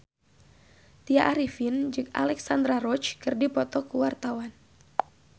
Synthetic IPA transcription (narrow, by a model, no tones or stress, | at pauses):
t̪iaʔaɾifind͡ʒɨka̰lɛksand̪ɾaɾɔt͡ʃkɨrdipɔt̪ɔkuwart̪awan